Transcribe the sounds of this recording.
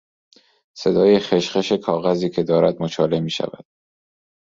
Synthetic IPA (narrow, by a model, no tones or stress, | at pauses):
se̞d̪ɒːjexe̞ʃxe̞ʃe̞kʰɒːɣæziːcʰe̞d̪ɒːɾæd̪̚mot͡ʃʰɒːle̞miːʃæ̰væ̰d̪̥̚